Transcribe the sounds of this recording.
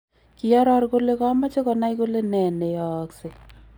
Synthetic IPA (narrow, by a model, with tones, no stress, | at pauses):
ki˨ɔ˦ɾɔ˦rko˦le˦kɔ˦ma˦t͡ʃe˦kɔ˨na˦jko˦le˦nɛ˨ne˨jɔ˨kse˨